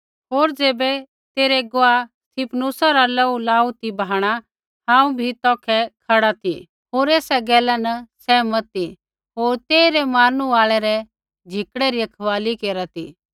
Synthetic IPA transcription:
ɦoːɾd͡ʒeːbɛ | t̪eːɾɛɡoast̪ʰipʰnuːsaɾalɐulaːut̪ibʱaːɽ̃a | ɦãːũbʱit̪ɔ̃ːkʰɛkʰaɽat̪ʰi | ɦoːɾeːsaɡɛːlanɐsɛːmɐt̪i | ɦoːɾt̪eːiɾɛmaːnuaːɭɛɾɛ | d͡ʒʱɪkɽɛɾiɐkʰɐʋaːlikeːɾat̪ʰḭ

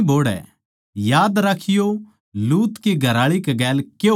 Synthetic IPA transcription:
bʱoːɽɛ̰ | jaːd̪ɾakʰɪjo | luːt̪kiɡʱɐɾaːɭikɛɡɛːlke

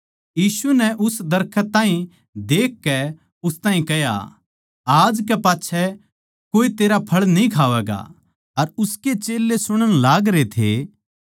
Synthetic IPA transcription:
jiːsunɛʔʊsd̪ɐɾkʰət̪aːĩ | d̪eːkːɛ | ʊst̪ãːĩkɛja̰ | aːd͡ʒkɛpaːtːʃʰɛ | koːit̪eːɾapʰɐɭnĩkʰaːʋɛːɡa̰ | ɐɾʊsket͡ʃeːlːesʊɽ̃əɽ̃laːɡɾet̪ʰḛ

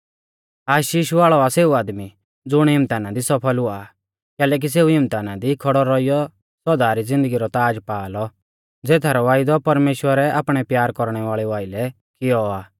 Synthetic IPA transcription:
aːʃiːʃaːɭɔaseːuaːd̪mi | d͡zʊɽ̃ɦɪ̃mt̪aːnad̪isɔpʰəlʊa | kɛːlɛːk̬is̬eːuɦɪmt̪aːnad̪ikʰɔɽɔɾɔijɔ | sɔd̪aːɾid͡zɪ̃nd̪əɡiɾɔt̪aːd͡ʒpaːlɔ | d͡zeːt̪ʰaɾɔʋaːɪd̪ɔpɐɾmeːʃwəɾɛʔa̰ːpɽ̃ɛpjaːɾkɔɾɽ̃ɛʋaːɭɛʋaːɪlɛ | kɪjɔaː

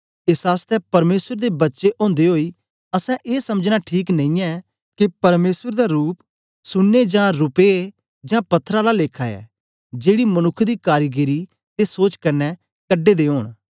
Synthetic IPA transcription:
ɪsaːst̪ɛpɐɾmeːsəɾd̪ebətːʃeʔõːnd̪eɦoːiː | əsɛ̃ʔeːsɐməd͡ʒnaʈʰiːknə̃ĩɛ̃ː | kepɐɾmeːsəɾd̪aɾuːp | sʊnːed͡ʒãːɾʊpe | d͡ʒãːpɐt̪ʰːɾãlaleːkʰaɛ̰ː | d͡ʒeːɽimənʊkʰːd̪iːkaːɾɡəɾi | t̪esoːt͡ʃkəɾnɛː | kəɖːeːd̪eːoːɳ̃

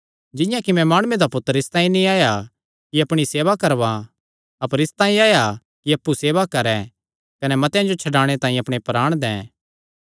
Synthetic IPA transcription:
d͡ʒɪjãkimɛ̃maːɽ̃uẽd̪apʊt̪ːəɾɪst̪ãːĩnĩaːja | kiɐpɽ̃iseːʋakɐɾʋa | ɐpəɾɪst̪ãːĩaːja | kiɐpːuseːʋakɐɾɛ̃ | kɐnɛmɐt̪jãd͡ʒot͡ʃʰɐɖaːɽ̃et̪ãːĩɐpɽ̃epɾaːɽ̃d̪ɛ̃ː

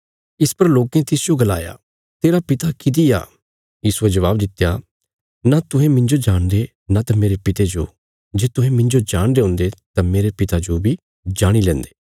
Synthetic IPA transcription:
ɪspɐɾloːkẽt̪ɪsd͡ʒoɡɐla̰ːja̰ | t̪eːɾapɪt̪akɪd̪ia̰ː | jiːsʊed͡ʒɐʋaːbd̪ɪt̪ːja | nat̪ʊɦẽmɪ̃ɲd͡ʒod͡ʒaːɽ̃d̪e | nat̪ãmeːɾepɪt̪ed͡ʒo̰ | d͡ʒeːt̪ʊɦẽmɪ̃ɲd͡ʒod͡ʒaːɽ̃d̪eɦʊ̃ːnd̪et̪ãmeːɾepɪt̪ad͡ʒobʱi | d͡ʒaːɽ̃ilɛ̃ːnd̪e̥ː

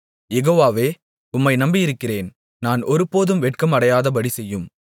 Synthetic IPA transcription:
jɛɣoːʋaːʋeː | ʊmːɐɪnɐmbɪjɪɾɯkːɪreːn | naːnɔɾɯpːoːðɯmɛʈ̚kɐmɐɽɐjaːðɐbɐɽisɛjːɯm

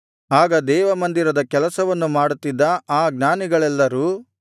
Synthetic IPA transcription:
aːɡɐd̪ɛːʋɐmɐnd̪iɾɐd̪ɐkɛlɐsɐʋɐnːumaːɽut̪ːid̪ːɐaːɡnaːniɡɐɭɛlːɐɾuː

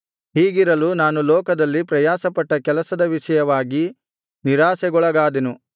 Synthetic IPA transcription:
ɦiːɡiɾɐlunaːnulɔːkɐd̪ɐlːipɾɐjaːsɐpɐʈːɐkɛlɐsɐd̪ɐʋiʃɐjɐʋaːɡi | niɾaːsɛɡɔɭɐɡaːd̪enu

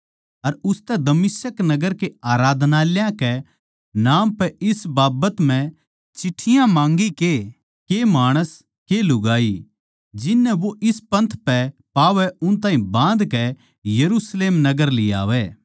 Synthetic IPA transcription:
ɐɾʊst̪ɛd̪ɐmɪsəknɐɡəɾkeaːɾaːd̪ʱnaːljãkɛ | naːmpɛɪsbaːbət̪m̤ɛ̃ | t͡ʃɪʈʰːɪjãmãːŋɡike | kemaːɽ̃əs | kelʊɡaːi | d͡ʒɪnːɛʋoʔɪspɐ̃nt̪ʰpɛpaːʋɛʊnt̪̬aːĩbãːnd̪kɛ | jɐɾuːsleːmnɐɡəɾlɪja̰ːʋɛː

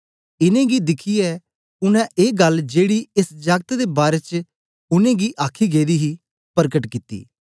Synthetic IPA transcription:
ɪnẽɡid̪ɪkʰiɛ | ʊnɛ̃ʔeːɡɐld͡ʒeːɽiɪsd͡ʒɐɡt̪d̪ebaːɾet͡ʃ | ʊnẽɡiʔaːkʰiɡeːd̪iɦi | pəɾkəʈkɪt̪ḭː

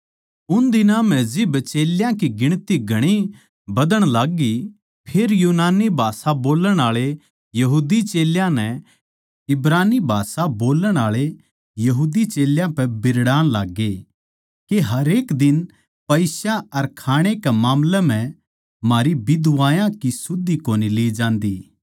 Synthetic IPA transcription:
ʊnd̪ɪnãmɛ̃d͡ʒɪbt͡ʃeːljãkiɡɪɽ̃t̪iɡʱɐɽ̃i | bɐd̪əɽ̃laːɡːi | pʰeːɾjuːnaːnibʱaːsaboːləɽ̃aːɭe | jɐɦuːd̪it͡ʃeːljãnɛ | ɪbɾaːnibʱaːsaboːləɽ̃aːɭe | jɐɦuːd̪it͡ʃeːljãpɛbɪɾɽaːnlaːɡe | keɦɐɾeːkd̪ɪn | pɐɪsaɐɾkʰaːɽ̃ekɛmaːmlɛm̤ɛ̃ | maːɾibɪd̪ʊʋaːjãkisʊd̪ːikoːnileːd͡ʒãːnd̪iː

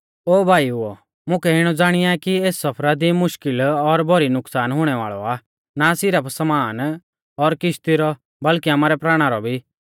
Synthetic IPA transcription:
oːbʱaːiuɔ | mʊ̃kɛɪɽ̃ɔd͡zaːɽ̃ɪjaɛkieːsːɐpʰɾad̪imʊʃkɪlɔɾbʱɔɾinʊksaːnɦʊɽ̃ɛʋa̰ːɭɔ̰a | nasɪɾəpsɐmaːn | ɔɾkɪʃt̪iɾɔ | bɐlkiaːmaːɾɛpɾaːɽ̃aɾɔbʱiː

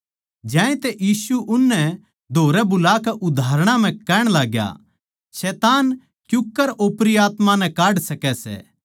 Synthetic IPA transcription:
d͡ʒjãːẽt̪ɛjiːsuʔʊnːɛ | d̪ʱoːɾɛbʊlaːkɛʔʊd̪ʱaːɾɽ̃ãm̤ɛ̃kɛːɽ̃laːɡja̰ | ʃɛːt̪aːn | kjʊkːəɾʔoːpɾijaːt̪mãnɛ̃kaːɽsɐkɛsɛ̰ː

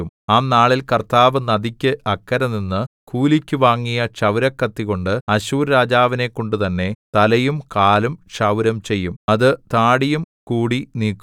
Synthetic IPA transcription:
umaːnaːɭilkɐrt̪aːʋɨnɐd̪ikʲːɨɐkːɐɾɐninːɨ | kuːlikʲːuʋaːŋːijɐʂɐʋɾɐkːɐt̪ːiɣo̞ɳɖɨɐɕuːɾːaːd͡ʑaːʋine̞kːo̞ɳɖut̪ɐnːe̞t̪ɐlɐjumkaːlumʂɐʋɾɐmt͡ɕe̞jːumɐðɨt̪aːɽijum | kuːɽiniːkːu

